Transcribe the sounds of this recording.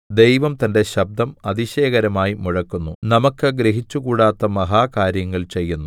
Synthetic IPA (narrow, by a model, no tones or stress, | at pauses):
d̪e̞jʋɐmt̪ɐnde̞ɕɐb̚d̪ʱɐmɐd̪iɕeːɣɐɾɐmaːjimuɻɐkːunːunɐmɐkːɨɡɾeɦit͡ɕːukuːɽaːt̪ːɐmɐɦaːkaːɾjɐŋːɐɭt͡ɕe̞jːunːu